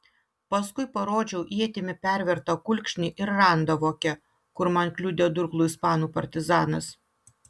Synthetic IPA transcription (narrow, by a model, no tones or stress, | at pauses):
pɐskʊɪpɐɾoːd͡ʒʲɛʊʔiɛt̪ʲɪmʲɪpʲæˑɾʲʋʲɛɾt̪ɐkʊlʲkʲʃʲnʲiʔɪɾːɑˑnd̪ɐʋoːkʲɛ | kʊɾmɐnklʲʊd̪ʲed̪ʊɾklˠuːɪspɑːnuːpɐ̰ɾʲt̪ʲɪzɑːnɐs